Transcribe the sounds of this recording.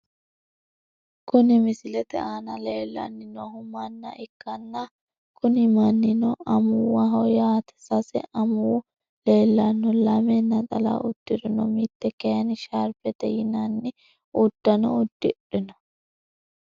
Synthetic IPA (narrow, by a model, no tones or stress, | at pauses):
kʊnɪmɪsɪlɛt̪ɛ̰aːnɐleːlːɐ̰nːɪnɔhʊmɐnːɐ̰ʔɪkːɐnːɐ | kʰʊnɪmɐnːɪnɔʔɐmʊwɐɦɔjaːt̪ɛ̥sɐsɛ̰ʔɐmuw | le̞ːlːɐnːɔlɐmɛnːɐt̪ʼɐla̰ːʊt̪ːɪɾɪnɔmit̪ːɛkɛɐnɪʃaɾpɛt̪ɛ̰jɪnɐnːɪ | ʊd̪̥ːɐnɔ̰ʊd̪ːɪɗɪnɐ̥